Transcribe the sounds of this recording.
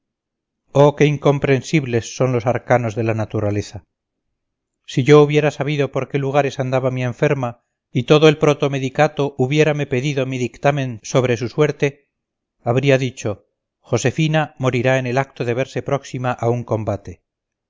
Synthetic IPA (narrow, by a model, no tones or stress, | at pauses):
o̞ke̞iŋko̞mpɾe̞nsiβle̞sːo̞nlo̞saɾkano̞zðe̞lanat̪uɾale̞θa | siʝo̞uβjeɾasaβiðo̞po̞ɾke̞luɣ̞aɾe̞sand̪aβamie̞ɱfe̞ɾma | it̪o̞ðoe̞lpɾot̪o̞meðikat̪o̞ʔuβje̞ɾame̞pe̞ðiðo̞miðikt̪amẽ̞nso̞β̞ɾe̞suswe̞ɾt̪e̞ | aβɾiaðit͡ʃo̞ | xo̞se̞finamo̞ɾiɾaene̞lak̚t̪oðe̞β̞e̞ɾse̞pɾo̞ksimaʔauŋko̞mbat̪e̞